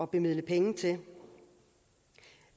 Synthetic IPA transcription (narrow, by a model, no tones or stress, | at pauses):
ɒ̽b̥e̝myðˠləpʰeŋ̩t͡sʰe̝